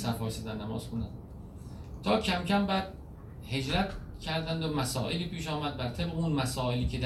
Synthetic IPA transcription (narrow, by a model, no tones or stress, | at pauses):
sæɾfɒːsæd̪ænnæmɒ̰ːz̥konæ̰n | t̪ʰɒːcʰæmcʰæmbæːd̪̚ | he̞d͡ʒɾæt̪ʰcʲʰæɾd̪ænd̪omæsɒ̰ːʔeliːpʰiːʃɒːmæd̪̚bæɾt̪ʰebʁeunmæsɒːeliːcʰed̪æ